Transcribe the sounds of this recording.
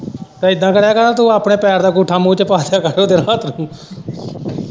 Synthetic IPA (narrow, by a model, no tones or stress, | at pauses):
t̪ẽːɪd̪ːãːkəɾaːkəɾaːt̪uːaːpɳeːpɛːɾd̪aːkuːʈʰaːmũːt͡ʃpaːt̪ʰjaːkəɾoːd̪eːnãːt̪nũː